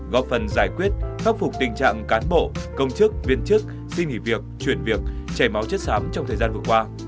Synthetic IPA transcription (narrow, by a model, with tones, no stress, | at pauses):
ɣɔ˦˥p̚fə˨˩nzaː˧˩jkwi˦˥ət̚xa˦˥p̚fʊ˨˩k͡p̚t̪ï˨˩ŋ̟t͡ɕa̰ː˧˨ŋkaː˨˦nɓo̰˧˨kə˧wŋ͡mt͡ɕɨ˦˥k̚vi˧ənt͡ɕɨ˦˥k̚ | si˧ŋŋḭ˧˩vi˨˩ək̚t͡ɕwi˧˩ənvi˨˩ək̚t͡ɕa˧˩jma˨˦wt͡ɕə˦˥t̚saː˨˦mt͡ɕɔ˧wŋ͡mt̪ʰəː˨˩jzaː˧nvɨ˨˩əkwaː˧